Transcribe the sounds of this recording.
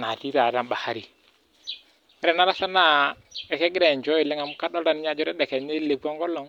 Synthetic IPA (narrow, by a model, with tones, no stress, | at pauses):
na˨ti˦ɾa˨ɾa˦mbɓa˨ha˦ɾi˨˦ | ɾɛ˨na˦ɾa˦sa˦na˦˨ɛ˨kɛ˦ɡɪ˦ɾɛ˨ɲd͡ʒɔ˦i˨lɛ˦ŋa˨m˦ka˦dɔ˦ɾa˦˨n˦ɲa˦d͡ʒɔ˦ɾɛ˦ɗɛ˨kɛ˨ne˦le˨ɡɔ˦ŋɡɔ˦lɔ˨ŋ